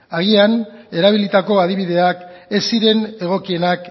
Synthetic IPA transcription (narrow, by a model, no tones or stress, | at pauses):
aɣiane̞ɾaβ̞ilit̪ako̞að̞iβiðe̞ake̞siɾe̞ne̞ɣ̞o̞kie̞nak